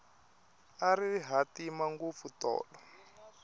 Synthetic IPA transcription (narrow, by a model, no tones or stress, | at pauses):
aɾiɦatimaŋɡup̪futɔ̰ːɗɔ